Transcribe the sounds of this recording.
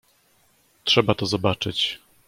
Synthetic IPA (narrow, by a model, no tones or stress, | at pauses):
tʂɛbat̪ɔzɔbat͡ʂɘt͡ɕ